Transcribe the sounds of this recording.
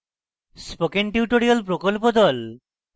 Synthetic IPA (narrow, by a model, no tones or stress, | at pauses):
spokenʈiuʈoɾiolpɾokolpod̪ɔl